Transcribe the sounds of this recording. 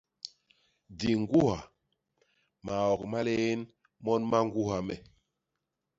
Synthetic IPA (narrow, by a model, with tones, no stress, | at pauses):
di˨ŋɡu˦ha˨ | ma˨ɔ˨kma˦le˦e˦n | mɔ˦nma˦ŋ˦ɡu˦ɦa˨mɛ˨